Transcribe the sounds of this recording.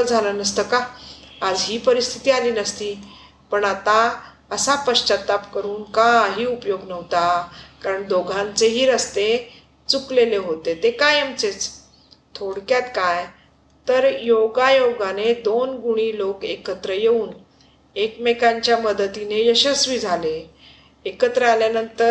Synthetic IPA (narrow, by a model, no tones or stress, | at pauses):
ld͡zʱalənəst̪əkaː | d͡zɦiːpəɾist̪ʰit̪iːaliːnəst̪iː | pəɳat̪a | əsapəɕt͡ɕat̪apkəɾuːnkaɦiːupjoɡnəʋt̪akaɾəɳd̪oɡʱãnt͡seɦiːɾəst̪e | t͡sukleleɦot̪et̪ekajəmt͡set͡s | t̪ʰoɽkjat̪kaj | t̪əɾjoɡajoɡaned̪onɡuɽ̃iːlokekət̪ɾəjeuːn | ekmekãɲt͡ɕjaməd̪ət̪inejəɕəsʋid͡zʱaleː | kət̪ɾəaljanənt̪əɾ